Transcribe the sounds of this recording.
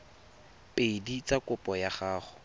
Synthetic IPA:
pʼedit͡sʼakʼʊpʼɔjaχaːχʊ̥

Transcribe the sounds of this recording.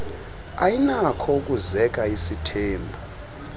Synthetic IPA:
ajinakʰɔukʼuzɛk̬ʼaisitʰeːmbʱu

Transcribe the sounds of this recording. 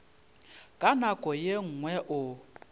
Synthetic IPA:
kʼanakʼɔjeŋ̩ŋwɛʔʊ

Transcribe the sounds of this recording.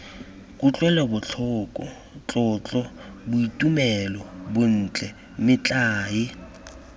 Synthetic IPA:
kʼʊt͡ɬʼwɛlɛbʊt͡ɬʰʊːkʼɔ | t͡ɬʼɔt͡ɬʼɔbʊitʼumɛlɔbʊn̩ːt͡ɬʼɛ | mɪt͡ɬʼaːɪ

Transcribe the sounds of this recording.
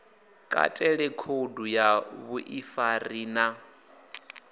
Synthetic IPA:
kʼa̰tʼɛɺɛkʰodujaβuʔifariːna

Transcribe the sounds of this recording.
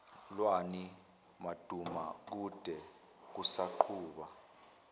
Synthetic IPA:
lwani | mad̥ʱuma̰k̬ud̥ʱɛ | k̬usaǃʰuːɓa

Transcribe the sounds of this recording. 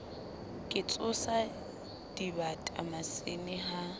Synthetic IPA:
kʼɪt͡sʼʊsa | d̥ibatʼa̰masɪnɪɦa

